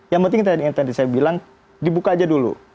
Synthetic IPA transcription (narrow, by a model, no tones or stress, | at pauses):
jaŋpənt̪ɪŋkt̪adiint̪adisajabilaŋ | dibukad͡ʒadulṵ